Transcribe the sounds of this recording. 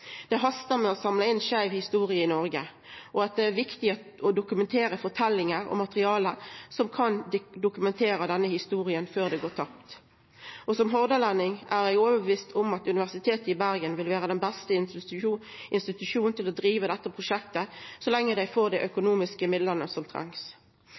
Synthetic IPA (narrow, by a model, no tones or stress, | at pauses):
d̪̥ɛɦɑst̪əɾmɛɔsɑmləɪnʃæɪʋhɪst̪uːɾɪəɪnɔɾɡə | ʔɔɑt̪̚d̪ɛæɾʋɪkt̪ɪɔd̪ʊkʉmɛnt̪ʰeːɾəfɔʁʈ̪ʰɛlːɪŋəɾɔ̰mɑt̪əʁɪɑːləsɔmkʰɑnd̪ʊkʉmɛnt̪ʰeːɾəd̪ɛnːəhɪst̪uːɾɪənføːʁd̪ɛɡoːt̪ʰɑp̚t̪ | ʔɔsɔmɦɔʁd̪əlænːɪŋʔæɾjæɪɡoːʋəbəʋiːst̪ʰʊmɑt̪ʉnɪʋæʁsɪt̪ʰeːt̪əɪbæɾɡənʋɪlʋæːʁəd̪ɛnbæst̪ə | ʔɪnst̪ɪt̪ʉʃuːnn̩t̪ʰɪlɔd̪ɾiːʋəd̪ɛt̪ːəpʰʁʊʂɛkt̪əsɔlɛŋːəd̪æɪfoːʁd̪ɛʔœkʊnuːmɪskəmɪd̪lənəsɔmt̪ʰʁɛ̰ŋs